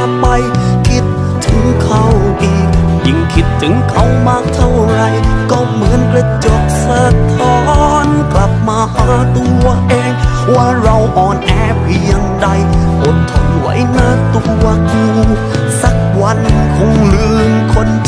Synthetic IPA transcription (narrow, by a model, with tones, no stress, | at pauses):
pa˧jkʰi˧˥t̪̚ʰːɯ˨˦ŋkʰa˧˩wʔiː˧˨˩k̚jɯ˨˧˩ŋkʰi˦˥t̪ʰːɯ˨˦ŋkʰa˧˩wmaː˧˩k̚t̪ʰa˧˩wɾa˧jkɔː˧˩mɯ˨˦˥ənɾe˧t͡ɕo˨˩k̚sɤː˨˩t̪ʰːɔː˧˥nkla˨˩p̚maː˧haː˨˦˥t̪u˧əʔeː˧ŋwaː˧˩ɾa˧wʔɔː˨˩nʔɛː˧˩pʰi˧ə˧ŋda˧jʔo˨˦t̪ʰːa˧˩wa̰˨˦˥jnaː˧˥˩t̪u˧əjuː˧˩ | sa˨˩k̚wa˧nkʰɔ˧˥ŋlɯ˧ŋkʰo˧˥n